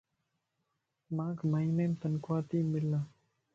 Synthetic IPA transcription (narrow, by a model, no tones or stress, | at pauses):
maːkmaineːmt̪ənkʋaːt̪iːmɪlːaː